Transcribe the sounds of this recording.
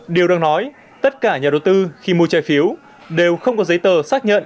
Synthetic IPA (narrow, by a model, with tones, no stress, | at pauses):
ɗi˨˩əwɗaː˧ŋnɔ˨˦j | t̪ə˦˥t̚kaː˧˩ɲaː˨˩ɗə˨˩wt̪ɨ˧xi˧mu˨ət͡ɕaː˧˩jfi˨˦əw | ɗe˨˩wxə˧wŋ͡mkɔ˨˦zə˨˦jt̪əː˨˩saː˦˥k̚ɲə̰˧˨nʔ